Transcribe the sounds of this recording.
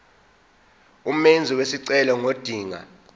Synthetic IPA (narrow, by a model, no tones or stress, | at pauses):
um̩mend͡zʱiwesiǀɛlɔŋod̥ʱiːŋa̰